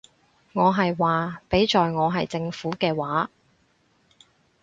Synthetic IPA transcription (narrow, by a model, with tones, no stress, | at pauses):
ŋɔː˨˧ɦɐ˨jwaː˨pe˨˥jt͡ʃɔː˨jŋɔː˨˧ɦɐ˨jt͡sɪ˧ŋfuː˨˥kɛː˧waː˨˥